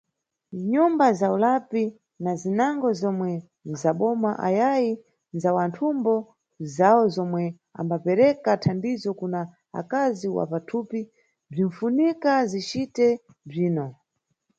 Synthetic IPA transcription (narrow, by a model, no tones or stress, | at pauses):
ɲumbazaulapi | nazinaŋɡɔzɔmwɛ | nzaɓɔmaʔa̰jaji | nzawantʰumbɔ | zaɔzɔmwɛ | a̰mbapɛɾɛkatʰamdizɔkuna | a̰kaziwa̰patʰuːpi | b͡ʐiɱfunikazit͡ʃitɛ | b͡ʐiːnɔ